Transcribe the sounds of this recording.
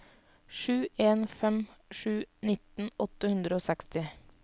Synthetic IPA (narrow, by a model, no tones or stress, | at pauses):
ʃʉːʔeːnfɛmʃʉːnɪt̪n̩ɔt̪əhʉnd̪ɾəoːsɛkst̪ɪ